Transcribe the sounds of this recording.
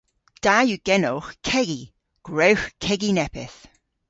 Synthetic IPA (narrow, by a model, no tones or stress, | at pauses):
d̥ajuɡ̥ɛnowxkʰɛɡi | ɡ̥ɹowxkʰɛɡinɛpɪ̰θ